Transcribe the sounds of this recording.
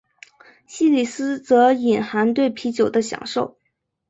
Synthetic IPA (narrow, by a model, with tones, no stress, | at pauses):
ɕi˥li˨˩sɹ̩˥t͡sɤ˧˥i˨˩nxa˧˥nt̪we˥˩ɪpʰi˧˥t͡ɕjo˨˩ʊd̪ə˦ɕjɑ̰˨˩ŋʂo˥˩ʊ